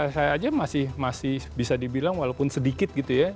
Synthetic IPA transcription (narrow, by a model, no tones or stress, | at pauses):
asajaːd͡ʒamasɪhmasɪhbisadibilaŋwalaupʊnsədikɪt̪̚ɡit̪uja